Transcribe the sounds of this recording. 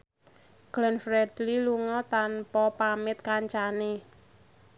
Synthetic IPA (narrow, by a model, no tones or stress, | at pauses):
ɡ̥lənfɾɛdliluŋɔt̪anpɔpamɪt̪̚kaɲt͡ʃane